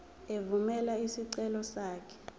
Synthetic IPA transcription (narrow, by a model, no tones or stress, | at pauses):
evumɛlaisiǀɛlɔsaːkʰɛ̥